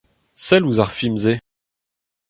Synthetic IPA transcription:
sɛluzaʁfimze

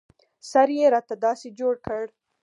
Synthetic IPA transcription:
saɾjeɾɑt̪ad̪ɑsed͡ʒoɽkəɽ

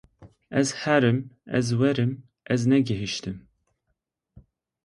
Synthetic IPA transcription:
ɛzhɛɾɨmɛ̰zwɛɾɨm | ʔɛznɛɡɪɦiʃt̪ɨm

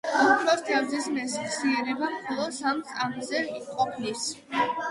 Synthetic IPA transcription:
ut̪ʰɾɔst̪ʰavzismɛsχsiɛɾɛbamχɔlˠɔsamt̪sʼamzɛqʼɔpʰnis

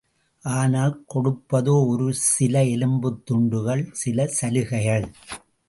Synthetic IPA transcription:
ʔaːnaːlkɔɽɯpːɐðoːɔɾɯsɪlɐɛlɯmbɯt̪ːʊɳɖɯɣɐɭsɪlɐsɐlɯɣɐjɐɭ

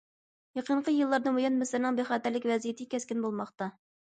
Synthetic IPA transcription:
jɑqʰəɴqʰəjɨlˠːɑɾd̪ɨbujɑnmɪsɪɾnɨŋbeχɑːt̪æɾlɪkʲvɛzijet̪ʰɪkʲʰɛskʲɪnbolˠmɑχt̪ɑ

